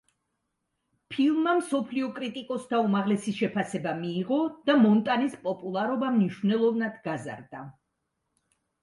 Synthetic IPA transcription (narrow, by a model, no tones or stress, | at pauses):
pʰilˠmamsɔpʰliɔkʼɾit̪ʼikʼɔsd̪ʰaumaʁlɛsiʃɛpʰasɛbamiːʁɔd̪̥amɔnt̪ʼanispʼɔpʼulˠaɾɔbamniʃvnɛlˠɔvnad̪̥ɡaza̰ɾd̪a